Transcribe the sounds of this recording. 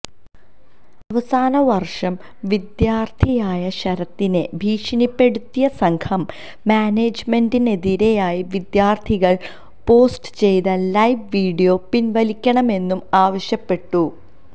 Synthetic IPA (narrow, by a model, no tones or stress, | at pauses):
ɐʋɐsaːnɐʋɐrʂɐm | ʋid̪jaːrt̪ʰijaːjɐɕɐɾɐt̪ːine̞bʱiːʂɐnipːe̞ɽut̪ːijɐsɐŋkʰɐmː | aːneːd͡ʑme̞ndineðiɾe̞jaːjiʋid̪jaːrt̪ʰiɣɐɭ | po̞ːsʈɨ̥t͡ɕe̞jt̪ɐlɐjʋʋiːɽijo̞ːpːinʋɐlikʲːɐɳɐme̞nːumaːʋɐɕjɐpːe̞ʈːu